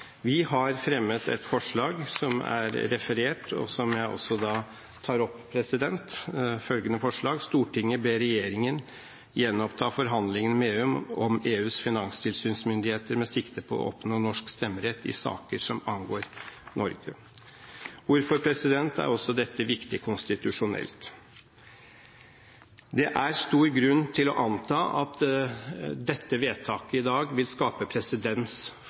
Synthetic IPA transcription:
ʋɪɦɑɾfɾɛmːət̪ʰɛ̰t̪fɔʂɭɑːɡsɔmæ̰ɾɾɛfəɾeːʈɔ̰sɔmjæɪʔɔ̰sːɔd̪ɑː | t̪ʰɑːɾɔpːpʰɾɛsɪd̪ɛnt̪fœlɡənəfɔʂɭɑːɡst̪uːʈʰɪŋːəbeːɾɛjeːɾɪŋən | jɛnːɔpt̪ʰɑːfɔɾɦɑnd̪lɪŋənmeːɔmɔmeːʉːsfɪnɑŋst̪ʰɪlsyːnsmʏnd̪ɪheːt̪əɾmɛsɪkt̪əpʰɔɔ̰ʔɔ̰pnoːnɔʂkst̪ɛmːəɾɛt̪ʰːɪ̰sɑ̰ːkəʂɔmɑnɡoːɾnɔɾɡə | uːɾfɔɾpʰɾɛsɪd̪ɛnt̪æ̰ɾɔsːɔd̪ɛt̪ːəʋɪkt̪ɪkʰʊnst̪ɪt̪ʉʂʊnɛ̰lt̪ | d̪ɛʔæɾst̪uːɾɡɾʉnːt̪ʰɪlɔʔɑnt̪ʰɑːʔɑ̰t̪ | d̪ɛt̪ːəʋeːt̪ʰɑːkəɪd̪ɑːɡʋɪlskɑːpəpʰɾɛsɪd̪ɛns

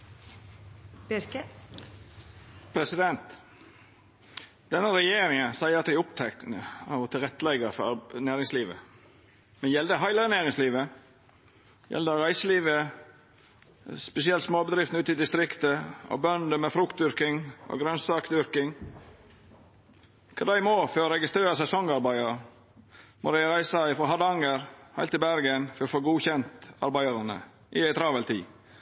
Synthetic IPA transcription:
pʰɾɛsɪd̪ɛnt̪ | d̪̥ɛnːəɾɛjeːɾɪŋənsæɪəɾɑt̪̚d̪æɪʊpt̪ʰɛknəɑt̪ʰɪlɾɛt̪ːəlɛɡəɾfɔɾnæːɾɪŋsliːʋə̰ | mɛnjɛld̪əɦɑɪləənæːɾɪŋsliːʋə | jʔɛ̰ld̪əɑɾæɪsəliːʋə | spɛsɪɛlt̪smoːbəd̪ɾɪft̪n̩ʉːt̪ɪd̪ɪst̪ɾɪkt̪əo̰bœnd̪əmɛfɾʊkt̪d̪ʏɾkɪŋʔo̰ːɡɾœnsɑːksd̪ʏɾkɪŋ | kʰɑ̰d̪æɪmoːfɔɾɔɾɛɡɪst̪ɾeːɾəsɛsɔŋɑɾbæɪɑɾə | mʊ̰ɾɪɾæɪsɑɪfɾɔɦɑd̪ɑŋəɾhæɪlt̪ɪbæɾɡənfɔɾofoːɡuːçɛnt̪ɑ̰ɾbæɪɑɾənə̰ | ʔɪæɪt̪ʰɾɑːʋəlt̪ʰḭː

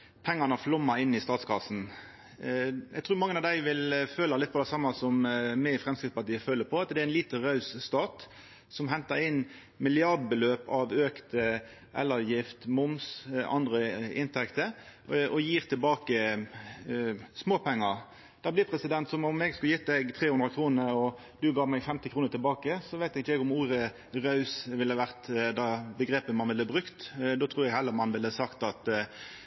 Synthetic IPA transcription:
pʰɛŋːɑnəflʊmːɑɪnːɪst̪ɑːt̪skʰɑsːn̩ | jɛɡ̚t̪ʰɾʉːɾmɑŋːənɑʋd̪æɪʋɪlføːlɑlɪt̪pɔd̪ɛsɑmːɑsɔmːæfʁɛmskʁɪt̪spɑʈ̪iːəføːləpʰɔɑt̪d̪ɛɪnliːt̪ən̩ʁɑʉsst̪ɑːt̪ | sɔmɦɛnt̪ɑɾɪnː | mɪlɪɑʁd̪̚bəløːpɑʋøːkt̪ | ʔɛlːəjɪft̪mʊmsʔɑ̰nd̪ʁəɪnt̪ʰɛkt̪əɾɔjiːʁt̪ʰɪlbɑːkə | smoːpʰɛŋːə | d̪̥ɑːblɪpʰɾɛsɪd̪ɛnt̪sɔmʊmɛɡskʉljɪt̪d̪ɛɡt̪ʰɾeːhʉnd̪ɾəkʰɾuːnəɾɔ | d̪ʉɡɑːmæɪɡfɛmt̪ɪkʰɾuːnəɾt̪ʰɪlbɑːkəsɔʋæɪt̪ɛɡɪt͡ʃːɛɡʊmuːɾə | ʁɑʉsʋɪlːəʋæʁt̪d̪ɑbəɡɾeːpəmɑnʋɪlːəbʁʉkt̪d̪oːt̪ʰʁuːɾjɛɡhɛlːəmɑnʋɪləsɑkt̪ɑt̪

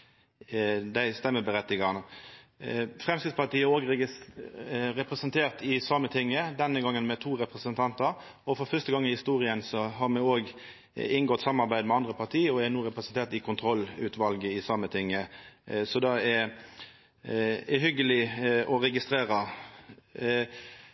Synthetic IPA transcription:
d̪æɪst̪ɛmːəbəɾɛt̪ːɪɡɑnə | fʁɛmskɪd̪spɑʁt̪iːæɾoːɡɾɛ | ɾɛpʁɛsənt̪ʰeːʁt̪ɪsɑmːət̪ʰɪŋːəd̪ɛnːəɡɑŋːənmɛt̪ʰuːɾɛpʁəsənt̪ʰɑnt̪əɾ | ɔfɔɾfœst̪əɡɑŋːɪhɪst̪uːɾɪənsɔɦɑɾmɛoːɡ | ɪnɡɔt̪sɑmːɑɾbæɪd̪mɛɑnd̪ɾəpʰɑʁt̪ʰiːɔæɾnuːʁɛpʁəsənt̪ʰeːʁt̪ɪkʰʊnt̪ʰɾɔlːʉːt̪ʋɑlɡəɪsɑmːət̪ʰɪŋːəsɔd̪ɑɛɾ | ɛɦʏɡəlɪɔɾɛɡɪst̪ɾeːɾə

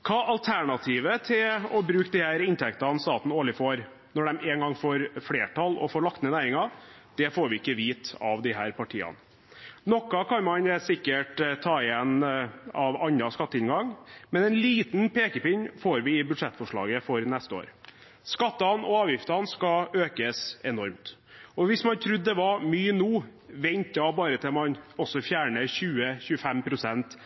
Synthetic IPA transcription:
kʰɑːʔɑlt̪ʰæɳɑt̪ʰiːʋət̪ʰɪɔbɾʉːkd̪ihæːɾɪnt̪ʰɛkt̪ɑnst̪ɑːt̪n̩oːlɪfoːɾ | nɔɖɛmeːŋɡɑŋfoːɾfleːʈʰɑlɔ̰foːɭɑkt̪ənənæːɾɪŋɑ | d̪̥ɛfoːɾʋɪɪkːəʋiːt̪ɑʋd̪ɪɦæːɾpɑʈʰḭːɑ̰n | nɔkːɑkʰɑnmɑnsɪkːəʈt̪ʰːɑːɪɛnɑʋɑnɾɑskɑt̪ːəɪnɡɑŋmɛnɛnliːt̪npʰeːkəpɪɲfoːɾʋɪɪbʉd̪ʂɛt̪ːfɔʂɭɑ̰ːɡəfɔɾnɛst̪əo̰ːɾ | skɑt̪ːɑnɔɑːʋjɪft̪ɑnskɑøːkəsɛnɔɾmt̪ | ɔʋɪsmɑnt̪ʰɾʉd̪ːd̪ɛʋɑɾmyːənuːʋɛnt̪ɑbɑːɾət̪ʰɪlmɑnɔsːɔfjæːɳəçʉːəçʉːəfɛmpʰɾʊsɛnt̪

